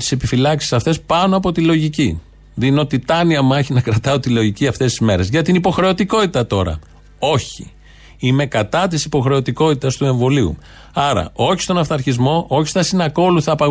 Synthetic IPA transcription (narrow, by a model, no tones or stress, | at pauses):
t̪i̥se̞pifilɐksi̥sɐft̪e̞spɐno̞ɐpo̞t̪ilo̞ʝici | ðino̞t̪it̪ɐniɐmeçinɐkɾɐt̪ɐot̪ilo̞ʝiciɐft̪e̞st̪i̥zme̞ɾe̞zʝɐt̪inipo̞xɾe̞o̞t̪iko̞t̪it̪ɐt̪o̞ɾɐ̰ | o̞çi | ime̞kɐt̪ɐt̪isipo̞xɾe̞o̞t̪iko̞t̪it̪ɐst̪ue̞ɱvo̞liṵ | ɐɾɐ̰o̞çist̪o̞nɐfθɐɾçizmo̞ʔo̞çi̥st̪ɐsinɐko̞luθɐːpɐɣ